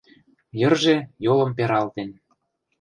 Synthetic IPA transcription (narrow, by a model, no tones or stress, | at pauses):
jɤ̆rʒejolɤ̆mpeɾɑlt̪en